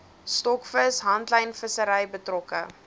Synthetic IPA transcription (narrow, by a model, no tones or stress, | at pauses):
stɔkfəsɦɐntləjnfəsəɾəjbətrɔkə